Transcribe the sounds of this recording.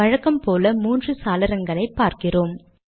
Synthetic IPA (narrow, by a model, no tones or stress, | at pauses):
ɐɻɐkːɐmpoːlɐmuːndrɯsaːlɪɾɐŋɡɐɭɐɪpːaːɾkɪroːm